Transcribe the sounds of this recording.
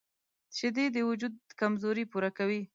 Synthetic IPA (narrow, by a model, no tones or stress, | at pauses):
t͡ʃed̪ed̪əwʊd͡ʒud̪̚kamzoɾipuɾakawi